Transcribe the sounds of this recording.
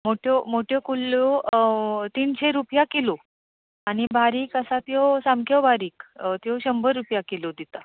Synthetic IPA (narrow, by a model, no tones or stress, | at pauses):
moʈʰjomoʈʰjokulːo | t̪iːnɕeɾupjakelo | aɽ̃ibʱaɾiːkəsat̪josamkʰjəbʱaɾiːkt̪oɕəmbəɾːupjakelod̪it̪a